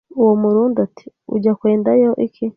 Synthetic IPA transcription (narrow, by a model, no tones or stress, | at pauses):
uwomuɾuːnduatʰi̥ | ṵɟakweːndajoʔikʰi